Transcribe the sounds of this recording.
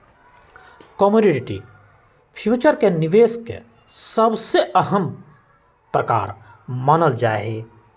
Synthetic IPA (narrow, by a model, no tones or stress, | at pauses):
kɔmoɖɪɖɪʈḭ | pʰjuːt͡ʃəɾkenɪʋeːskḛ | səbseʔəɦəm | pɾəka̰ːɾ | mənəld͡ʒaːɦeː